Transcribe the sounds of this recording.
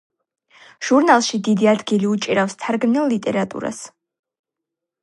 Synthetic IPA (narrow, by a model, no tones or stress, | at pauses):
ʒ̥uɾnalˠʃid̪id̪iad̪ɡiliut͡ʃʼiɾafst̪ʰaɾɡnilˠːit̪ʼɛɾat̪ʼṵɾa̰s